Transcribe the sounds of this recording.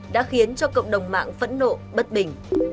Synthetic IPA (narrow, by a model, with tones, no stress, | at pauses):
ɗa̰ː˧˥xi˨˦ənt͡ɕɔ˧kə̰˧˨wŋ͡mɗə˨˩wŋ͡mma̰ː˧˨ŋfə̰˧˥nːo̰˧˨ɓə˦˥t̚ɓï˨˩ŋ̟